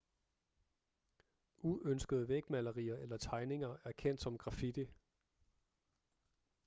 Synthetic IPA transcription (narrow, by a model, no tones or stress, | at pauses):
ʔuʔønsɡ̥əð̞ˠəʋeɡ̥mælɐʁḭːɐʔelɐt͡sʰɑ̈ɪne̝ŋɐæɐkʰen̰d̥sɒ̽mɡ̥ʁɑ̈fid̥i